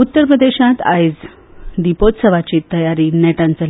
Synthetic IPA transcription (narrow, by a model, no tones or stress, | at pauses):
ut̪ːəɾpɾəd̪eɕat̪a̰jd͡z | d̪ipot̪səʋat͡ɕiːt̪əjaɾiːnɛʈãnt͡səl